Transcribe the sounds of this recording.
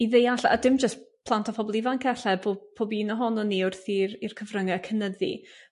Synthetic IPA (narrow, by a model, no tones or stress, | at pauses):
iðejaɬa̰dɪmd͡ʒəspʰlˠantʰɔpʰɔbɔlˠivankʰɛɬɛbʰopʰoːbinɔɦɔnɔniʊrθiɾirkʰəvrəŋɛkʰənəðḭ